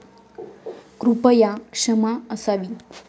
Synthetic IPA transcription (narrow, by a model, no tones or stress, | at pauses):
kɾupəjakʂəmaəsaʋi